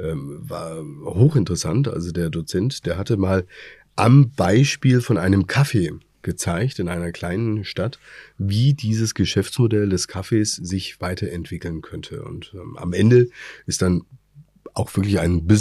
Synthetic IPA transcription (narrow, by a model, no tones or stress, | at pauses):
ʔɛːmva̰ːɐhoːxɪntəʁəsa̰ntʔa̰lzodeːɐdot͡sɛntd̥eːɐɦatəmaːl | ʔambaɪʃpiːlfɔnʔaɪnəmkʰafeː | ɡ̥ət͡saɪçtɪnʔaɪnɐkl̥aɪnənʃtatviːdiːzəsɡ̥əʃɛft͡smodɛldɛskʰafeːsz̥ɪçv̥aɪtʰɐɛntv̥ɪkl̩nkʰœntʰə̰ʊ̰ntʔɛ̰ːmʔa̰mʔɛndəʔɪstd̥an | ʔaʊxv̥ɪɐk̬lɪça̰ɪnbɪ